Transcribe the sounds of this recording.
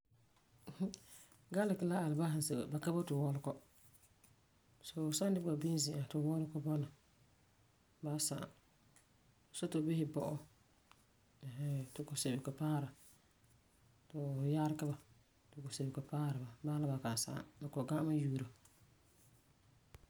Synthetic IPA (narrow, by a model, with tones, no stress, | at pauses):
ɡa˦lɪ˨kɪ˨la˦a˨lɪ˨ba˦hɪ˨nse˨ɣḛ˨ba˨ka˦ba˦tʊ˨wɔ˦lkɔ˦ | so˨sa˦ndɪ˦ba˨bi˦n˦zɪ˨ʔa˨tʊ˨wɔ˦lkɔ˦bɔ˦na˨ | ba˦sa˨a̰˨ | so˦to˨˦bɪ˦hɪ˨bɔ˨ʔɔ˦˨ | ɦɛ˦tʊ˨kɔ˨se˨bɪ˨kɛ˨paː˦ɾa˨ | tɔ˨ja˦ɾka˦ba˨ | tʊ˨ko˨se˨bɪ˨kɛ˨paː˦ɾa˨ba˨baː˦la˦ba˨ka˨n˨sa̰˨a̰˨ba˨kɔ˨ɡa˦ma˦juː˨ɾa˨